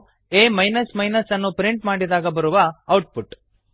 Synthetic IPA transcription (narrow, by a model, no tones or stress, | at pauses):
eːmɐjnɐsmɐjnɐsɐnːupɾiɳʈmaːɽid̪aːɡɐbɐɾuʋɐːwʈ̚puʈ